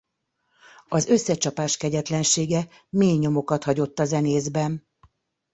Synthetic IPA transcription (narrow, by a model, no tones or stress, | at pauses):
ɒzø̞sːɛt͡ʃɒpaːʃkɛɟɛt̪lɛnʃeːɡɛ | meːɲo̞mo̞kɒt̪hɒɟo̞t̪ːɒzɛneːzbɛn